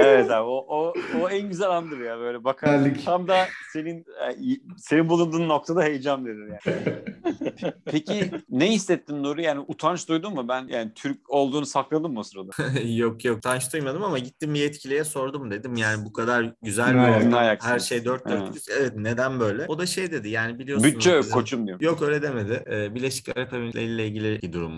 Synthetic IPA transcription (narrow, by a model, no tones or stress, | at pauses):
evɛt̪aoʔooænɟyzælʲand̪ɯɾjaːbø̞jlʲɛbakʰaɾlʲːict̪ʰamd̪ase̞ninɛse̞ninbulˠund̪uːnːo̞k̚t̪ʰad̪aɦe̞jd͡ʒamd̪e̞d̪imjjaː | ppʰecʰinɛɦist̪ɛt̪ːimd̪uɾujaːnɪʔut̪ʰant͡ʃd̪ujd̪umːubænja̰ːnit̪ʰyɾco̞lˠd̪uːnusaklˠad̪ɯmːosɯɾad̪ajokjok̚t̪ʰant͡ʃd̪ujmad̪ɯmamaɟit̪ʰːimbiɛt̪cʰilʲijɛso̞ɾd̪umd̪e̞d̪imjaːnibukʰad̪aɾɟyzælʲminajakhæɾʃe̞jd̪øɾt̪̚dd̪øɾjyzevɛt̪ne̞d̪ænbø̞jlʲɛo̞d̪aʃe̞jd̪e̞d̪ijaːnibilʲijobyt͡ʃɛøzkʰːot͡ʃʰumd̪ijo̞køjlʲɛd̪e̞me̞d̪ɪːbiɾlʲe̞ʃi̥ca̰ɾepebilʲeilːʲɛilʲɟʲilʲibid̪uɾṵm